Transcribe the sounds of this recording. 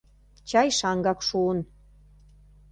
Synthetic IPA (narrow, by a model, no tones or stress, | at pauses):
t͡ɕɑjʃɑŋɡɑkʃuən